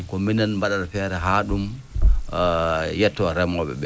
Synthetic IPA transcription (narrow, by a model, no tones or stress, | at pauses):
kɔminanmbaɗadfɛɾɛɦaːɗum | jɛtːɔɾɛmɔɓɛ̰ɓɛ